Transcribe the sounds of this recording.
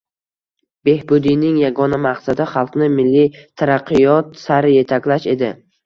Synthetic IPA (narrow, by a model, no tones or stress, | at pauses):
b̥e̞hbʊd̪inɪŋjaɡɒnamaqsad̪ɪχɑlˠqnɪmɪlːit̪ʰaɾaqʰːɨjɒt̪saɾɪje̞t̪ʰakʲlaʃe̞d̪ɪ